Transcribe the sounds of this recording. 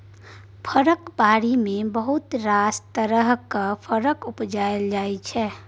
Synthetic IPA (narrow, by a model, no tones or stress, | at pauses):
pʰəɾəkbaɾimebəɦut̪ɾast̪əɾəɦkəpʰəɾəkupd͡ʒaeld͡ʒajt͡ʃʰɛ